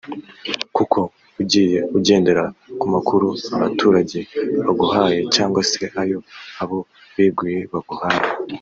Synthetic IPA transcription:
kukʰo̞ | uɟiːje̞uɟe̞ːnde̞ɾakumakʰuɾuaβatʰuːɾaɟe̞βaɡuhaːje̞caːŋɡwase̞ʔajo̞aβo̞ | βiːbɡiːjeβaɡuhaːje

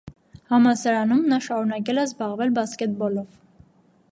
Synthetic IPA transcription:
hɑmɑsɑɾɑnumnɑʃɑɾunɑk̬ɛləzbɑʁvɛlbɑskɛt̪̚bɔlɔv

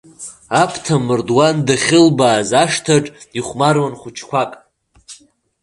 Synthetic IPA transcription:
apʰtʰamɨrdwandaχʲɪlbaːzaʂtʰaʈ͡ʂʼiχʷmarwanχʷʊt͡ʃʰkʷʰakʼ

